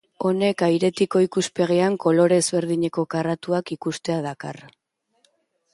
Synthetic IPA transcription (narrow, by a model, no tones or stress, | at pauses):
o̞ne̞kajɾe̞t̪iko̞ikuspe̞ɣeaŋko̞lo̞ɾe̞zβe̞ɾð̞iɲe̞ko̞karat̪uakikust̪e̞aðaka̰r